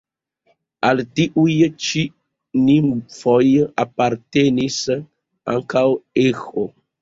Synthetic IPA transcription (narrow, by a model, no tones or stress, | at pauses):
altiʔujt͡ʃi | nimfojapaɾtenis | a̰ŋkawexo